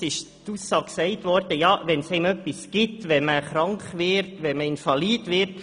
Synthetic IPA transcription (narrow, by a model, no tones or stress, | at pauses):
ɪʃ | t̪usːɑːkksɛɪt̪ʋɔɾd̥əjɑːʋɛnshɛɪmœpːisɡ̥ɪtʋɛməχɾɑŋkχʋɪɾtʋɛməɪnfɑliːd̪ʋɪɾt